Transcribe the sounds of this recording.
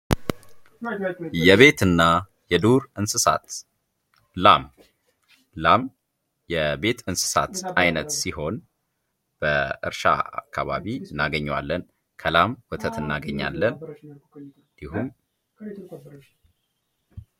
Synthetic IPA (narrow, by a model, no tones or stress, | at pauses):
jɛβe̞t̪ɨnːa | jɛd̪uɾɨnsɨsa̰t̪ | lam | lam | jɛbe̞t̪ɨnsɨ̥sa̰t̪ajnət̪siɦo̞n | b̥əʔɨ̰ɾʃa̰a̰kʰːaβa̰βiɨnːaɡəɲːwa̰lːən | kʰəlamwɔt̪ʰət̪ɨnːaɡəɲːa̰lːən | nd̪iɦum